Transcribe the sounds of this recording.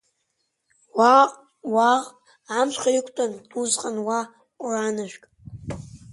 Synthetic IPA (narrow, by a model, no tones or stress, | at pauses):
waqʼ | waʁ | amʃʰʷχaikʷʰʼtʼanuzqʼanwa | qʷʼranaʒᶣʷkʼ